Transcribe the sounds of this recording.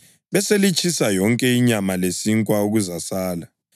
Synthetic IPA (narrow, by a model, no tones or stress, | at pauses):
βɛselit͡ʃʼʰisajɔŋkʼɛiɲamalesiŋkʼwauɣuzasaːla